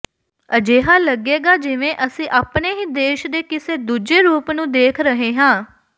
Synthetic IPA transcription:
əd͡ʒeːɦaːləɡeːɡaːd͡ʒɪʋẽːʔəsĩːʔaːpneːɦiːd̪eːʃd̪eːkɪseːd̪uːd͡ʒeːɾuːpnũːd̪eːkʰɾəɦeːɦãː

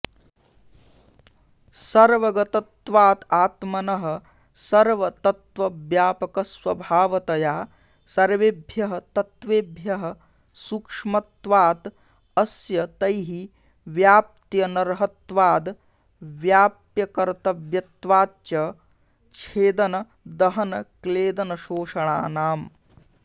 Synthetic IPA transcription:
sɐɾʋɐɡɐt̪ɐt̪ʋaːt̪aːt̪mɐnɐɦɐ̆ | sɐɾʋɐt̪ɐt̪ʋɐʋjaːpɐkɐsʋɐbʱaːʋɐt̪ɐjaː | sɐɾʋebʱjɐɦɐt̪ɐt̪ʋeːbʱjɐɦɐ̆ | sukʂmɐt̪ʋaːt̪ | ɐsjɐt̪ɐjɦi | ʋjaːp̚t̪jɐnɐɾɦɐt̪ʋaːd̪ | ʋjaːp̚jɐkɐɾt̪ɐʋjɐt̪ʋaːt̪jɐ | t͡ʃʰeːd̪ɐnɐ | d̪ɐɦɐnɐkleːd̪ɐnɐʃoːʂɐɳaːnaːm

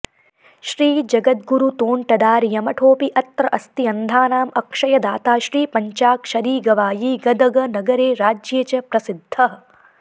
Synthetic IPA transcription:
ʃɾiːd͡ʒɐɡɐt̪̚ɡuɾut̪oːɳʈɐd̪aːɾijɐmɐʈʰoːpiʔɐt̪ɾɐʔɐst̪iɐnd̪ʱaːnaːmɐkʂɐjɐd̪aːt̪aːʃɾiːpɐɲt͡ʃaːkʃɐɾiːɡɐʋaːjiɡɐd̪ɐɡɐnɐɡɐɾeːɾaːd͡ʒjeːt͡ʃɐpɾɐsid̪ʱːɐɦɐ

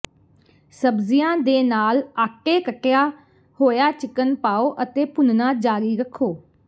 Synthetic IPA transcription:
səbzijãːd̪eːnaːlaːkeːkəʈːjaː | hoːjaːt͡ʃɪkənpaːoːʔət̪eːpʊnnãːd͡ʒaːɾiːɾəkʰːoː

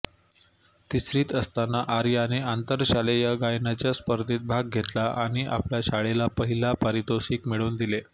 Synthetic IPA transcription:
t̪isɾiːt̪əst̪anaʔaɾjəaniant̪əɾɕalejaɡajnat͡ɕjaspəɾd̪ʱiːt̪̚bʱaɡɡʱet̪laʔaɽ̃iʔa̰pljaɕaɭelapəɦilapaɾit̪osiːkmiɭuːnd̪ile

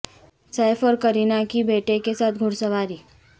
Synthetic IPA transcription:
sajfɔɾkəɾiːnakibeʈekesat̪ʰɡʱʊɽsəʋaɾiː

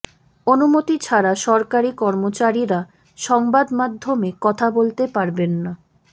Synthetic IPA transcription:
onumot̪it͡ɕʰaɾaʃɔɾkaɾikɔɾmot͡ɕaɾiɾa | ʃɔŋbad̪mad̪ʱːomekɔt̪ʰabolt̪epaɾbenːa

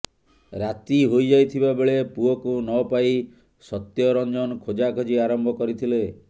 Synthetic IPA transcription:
ɾat̪iɦojd͡ʒajt̪ʰibabeɭepuɔkunɔpaj | sɔt̪jɔɾɔnd͡ʒɔnkʰod͡ʒakʰɔd͡ʒiaɾɔmbʱɔkɔɾit̪ʰile

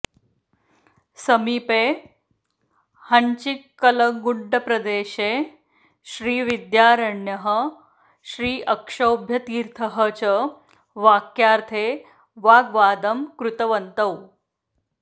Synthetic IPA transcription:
səmiːpeː | hɐɲt͡ɕikːɐlɐŋɡuɳɖɐpɾɐd̪eːɕeː | ɕɾiːʋid̪jaːɾəɳjɐɦə̆ | ɕɾiːʔɐkʂɐwbʱjɐt̪iːɾt̪ʰɐɦət͡ɕə | ʋaːkjaːɾt̪ʰeː | ʋaːɡʋaːd̪ɐmkɾut̪ɐʋɐnt̪ɐw

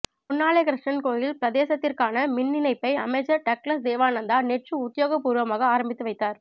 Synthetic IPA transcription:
mʊnːaːɭeːkɪɾɪʂʈɐnkoːjɪlpɪɾɐðeːsɐt̪ːɪrkaːnɐmɪnːɪnɐɪpːɐɪɐ̰mɐɪt͡ʃːɐʈɐklɐsd̪eːʋaːnɐnd̪aːnɛʈrɯʊt̪ːɪjoːɣɐpːuːɾɯʋɐmaːɣɐaːɾɐmbɪt̪ːɯʋɐɪt̪ːaːɾ

